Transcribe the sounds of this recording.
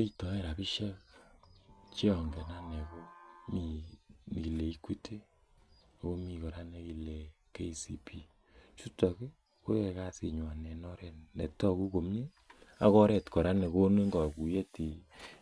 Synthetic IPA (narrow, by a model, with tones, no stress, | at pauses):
e˦i˦tɔ˨e˦˨ɾa˨bi˦ʃa˦ | t͡ʃe˦ɔ˨ŋɡɛ˨na˦ne˨ko˦mi˨ | ki˨le˨i˦kwi˦tʰe˦˨ | ko˦mi˨kɔ˨ɾa˦ne˧ki˨le˨ | ke˦i˨si˦pʰi˦ | t͡ʃu˦tɔ˨ke˦ | ko˦je˧ka˦si˨ɲwa˨nɛ˨nɔ˦ɾɛ˨nɛ̰˨tɔ˦ku˦ko˨m˦ɲe˦ | a̰˦kɔ˦ɾɛ˨tkɔ˨ɾa˦ne˨ko˦ne˦ŋɡɔ˨ku˨je˦ti˨